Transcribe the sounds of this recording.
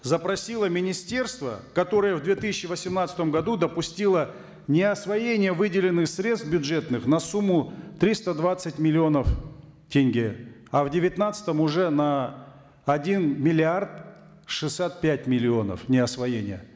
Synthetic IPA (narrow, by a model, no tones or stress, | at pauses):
zəpɾɐsʲilˠəmʲɪnʲɪsʲtʲe̞rst̪və̰kɐt̪o̞ɾɨjəvd̪vʲe̞t̪ɨsʲɪɕːɪvəsʲɪmnat̪sət̪əmɡɐd̪ud̪əpʊsʲtʲilˠə | nʲɪɐsvɐjenʲɪjəvɨdʲɪlʲɪnːɨxsɾʲe̞t̪st̪bʲʊdʐɛt̪nɨxnɐsumːʊt̪ɾʲist̪əd̪vat̪sɨtʲmʲɪlʲɪo̞nəf | tʲenʲɡʲɪ | ɐvdʲɪvʲɪt̪nat̪sə̥t̪əmʊʐɛnɐ | ɐdʲinmʲɪlʲɪart̪̚ | ʂɨsʲːat̪̚pʲætʲmʲɪlʲɪo̞nə̰fnʲɪɐsvɐjenʲɪ̰jə̰